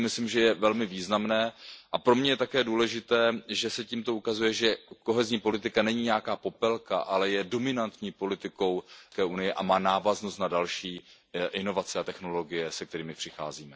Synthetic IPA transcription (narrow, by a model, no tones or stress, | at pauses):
mɪslimʒɛjɛvɛlmɪviːznamnɛːʔapɾo̞mɲɛjɛt̪akɛːduːlɛʒɪt̪ɛːʒɛsɛciːmt̪o̞ukazujɛʒɛko̞ɦɛzɲiːpo̞lɪt̪ɪkanɛɲiɲɛjakaːpo̞pɛlka̰ʔalɛjɛdo̞mɪnant̪ɲiːpo̞lɪt̪ɪko̞wkɛunɪjɪʔamaːnaːvaznost̪nadalʃiː | ʔɪno̞vat͡sɪat̪ɛxno̞lo̞ɡɪjɛsɛk̚t̪ɛɾiːmɪpr̥ɪxa̰ːziːmɛ